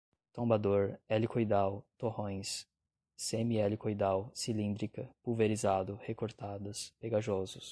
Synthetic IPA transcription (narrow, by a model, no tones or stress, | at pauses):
t̪õbad̪oɾɛlikojd̪awt̪ohõj̃sː | emiɛlikojd̪awsilĩnd̪ɾikɐpuwveɾizad̪ʊhekoɾt̪ad̪ɐspeɡaʒɔzʊs